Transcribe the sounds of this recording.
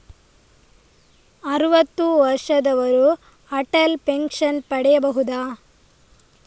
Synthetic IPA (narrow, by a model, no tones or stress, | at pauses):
ɐɾuʋɐt̪ːuʋɐɾʂɐd̪ɐʋɐɾu | ɐʈɐlpeŋkʂɐnpɐɽɛjɐbɐɦud̪aː